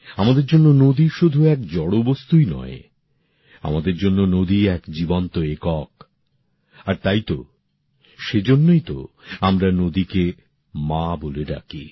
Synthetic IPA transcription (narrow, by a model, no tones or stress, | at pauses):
amad̪eɾd͡ʑonːonod̪iʃud̪ʱuɛkd͡ʑɔɽobost̪ujnɔ̰e | a̰mad̪eɾd͡ʑonːonod̪iɛkd͡ʑibɔnt̪oekɔk | aɾt̪ajt̪o | ʃed͡ʑonːojt̪o̰amɾanod̪ike | maboleɾa̰kḭ